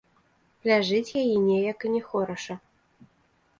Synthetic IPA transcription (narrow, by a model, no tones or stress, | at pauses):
lʲaʐɨt͡sʲjajɛnʲɛjɐkɨnʲɛxɔɾɐʂɐ